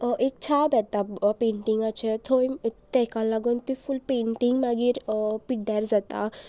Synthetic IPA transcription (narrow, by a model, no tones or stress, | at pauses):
ʔek̚t͡ʃʰabɛt̪apẽːɳʈiŋɡat͡ʃʰɛt̪ʰoĩt̪ːɛkanlaɡont̪ifʰulpeːɳʈiŋɡmaɡiɾpiɖɛɾd͡zat̪a̰